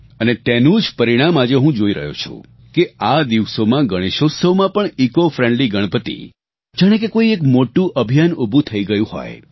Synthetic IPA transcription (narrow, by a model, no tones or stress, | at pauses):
ənet̪enũd͡ʒpəɾiɽ̃amad͡ʒeɦũd͡ʒoiɾə̰ɦjo̰t͡ʃʰṵ̃ | kead̪iʋsomãɡəɽ̃iʃosəmãpəɳikofɾẽɳɖliɡəɽ̃pət̪ḭ | d͡ʒaɽ̃ekekoiekmoʈũʔəbʱijanubʱũt̪ʰəiɡəjũhɔ̰j